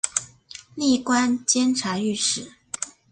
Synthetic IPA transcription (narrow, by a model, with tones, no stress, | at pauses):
li˥˩kwa˥nt͡ɕjɛ˥nʈ͡ʂʰa˧˥y˥˧ʂɻ̩˥˩